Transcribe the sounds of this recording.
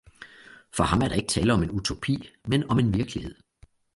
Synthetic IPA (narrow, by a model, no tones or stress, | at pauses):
fɒ̽hɑ̈mæɐɾ̥ɑ̈e̝ɡ̥ə̥t͡sʰɛ̰ːləɒ̽me̝nut͡sʰo̝pʰḭːmenɒ̽me̝nʋiɐɡ̥lihe̝ð̞̰ˠ